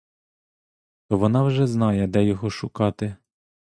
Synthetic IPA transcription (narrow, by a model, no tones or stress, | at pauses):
t̪ɔʋɔnɑwʒɛznɑjɛd̪ɛjɔɦɔʃʊkɑt̪ɪ